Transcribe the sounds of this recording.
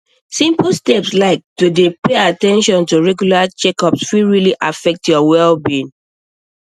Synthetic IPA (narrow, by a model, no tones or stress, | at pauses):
sĩmplstɛpslaɪk̚tudepeatɛ̃nʃɔ̃ntuɹɛɡjulat͡ʃɛkɔpsfiɹiliʔafɛk̚tjɔwɛlbĩn